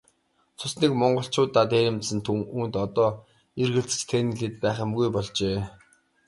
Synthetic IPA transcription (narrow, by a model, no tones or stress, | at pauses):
t͡s̪ʰʊsniːkmɔɴɢɞ̆ɬt͡ɕʰʊːt̪ːat̪eːɾʲɪ̆mt̪sɘ̆nt̪ʰuːnt̪ɔt̪ɔː | erɣɘ̆ɬt͡sɘ̥̆t͡ɕt̪ʰen̆ɮeːt̪pæːχʲə̆mɡujpɔɮt͡ɕeː